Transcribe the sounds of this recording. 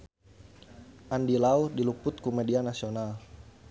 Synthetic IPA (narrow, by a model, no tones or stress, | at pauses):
ʔandilaudilupʊt̪̚kumedianasional